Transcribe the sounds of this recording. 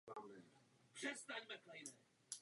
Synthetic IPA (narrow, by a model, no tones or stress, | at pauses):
amɛpr̥ɛst̪aɲmɛklɛjnɛ